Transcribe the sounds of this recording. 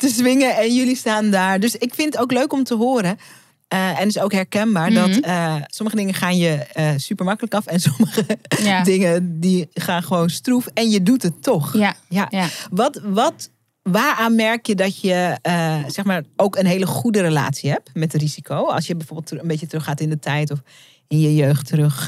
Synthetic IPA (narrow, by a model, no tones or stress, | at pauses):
təzʋɪŋəɛnjølistaːndaːɹdøsɪkfɪnətowkløɥkɔmtəɦoːɾə | əɛnɪsowkɦɛɹkɛnbaːɹdɔtəsɔməχədɪŋəχaːnjəsypəɹmɑkələkɑfɛnsɔməɣədɪŋədiχaːnχəʋownstrufɛnjədutətːɔxjaʋɔtʋɔt | ʋaːɹaːnmɛɹkjədɔtjəəsɛxmaːɹowkənɦeːləχudəɾela̰ːtsiɦɛp̚mɛtriz̥ikʰowɑ̰lˠsjəbɛjfoːɹbɪlˠtənbejt͡ʃətərøχaːtɪndətʰɛjtɔf | ɪnjəjøɥxtərøx